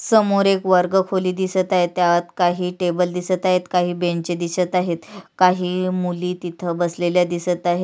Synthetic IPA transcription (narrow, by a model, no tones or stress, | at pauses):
səmoɾekʋəɾɡəkʰoliːd̪isət̪aɦet̪ːjaʋat̪kaɦiːʈebəld̪isət̪aɦet̪kaɦiːbẽɳt͡ɕed̪isət̪aɦet̪kaɦiːmuliːt̪it̪ʰəbəsleljad̪isət̪aɦe